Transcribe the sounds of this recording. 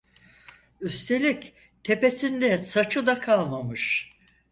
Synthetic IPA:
yst̪ʰe̞lʲic | t̪ʰe̞pe̞sind̪ɛsat͡ʃʰɯd̪akʰalˠmamɯʃ

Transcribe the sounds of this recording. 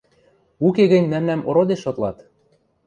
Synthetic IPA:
ukeɣɘ̆nʲmæmnæmʔoɾod̪eʃot̪lɑt̪

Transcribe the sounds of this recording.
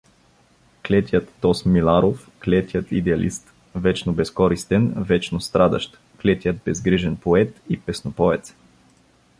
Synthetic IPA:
klɛt̪ʲjət̪ːɔsmilˠaɾofklɛt̪ʲjət̪id̪ɛalʔḭst̪ | vɛt͡ʃnobɛskɔɾist̪ɛnvɛt͡ʃnost̪ɾad̪ɐ̰ʃt̪ | klɛt̪ʲjət̪̚bɛzɡɾiʒɛnpoɛt̪ipɛsnopɔvɛt̪s

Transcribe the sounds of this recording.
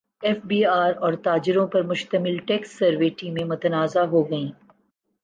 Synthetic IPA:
ɛːfbiːaːɾɔːɾt̪aːd͡ʒɪɾõpɐɾmʊʃt̪əmɪlʈɛːksːɐɾʋeʈĩːmẽmʊt̪ɐnaːzaɦoːɡɐĩː

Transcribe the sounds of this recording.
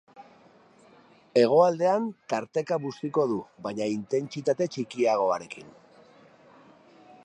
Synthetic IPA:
e̞ɣ̞o̞ald̪e̞ant̪aɾt̪e̞kaβust̪iko̞ðuβaɲaint̪e̞nt͡sit̪at̪e̞t͡ʃikiaɣ̞o̞aɾe̞kin

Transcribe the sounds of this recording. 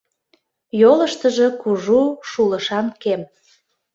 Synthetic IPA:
jolə̆ʃt̪ə̆ʒɤ̽kuʒuʃuləʃɑnkem

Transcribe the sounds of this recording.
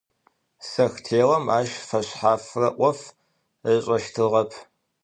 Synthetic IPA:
sɐxtʰeːʁɐmaːʃfɐɕħaːfrɐʔʷɔf | əɕʼɐʃtʰɨʁɐpʰ

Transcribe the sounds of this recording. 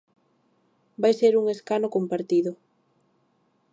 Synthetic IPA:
bajseɾuŋeskanokompaɾt̪iðʊ

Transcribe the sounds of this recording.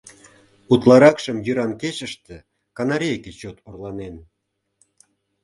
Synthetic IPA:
ut̪lɑɾɑkʃəmjyɾɑnket͡ɕəʃt̪ĕ | kɑnɑɾʲejket͡ɕot̪orlɑnen

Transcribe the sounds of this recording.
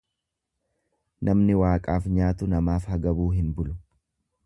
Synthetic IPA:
nʔɐmnɪwaːkʼaːfɲaːt̪ʊnɐmaːfhɐɡɐbuːɦɪnbʊlʊ̥

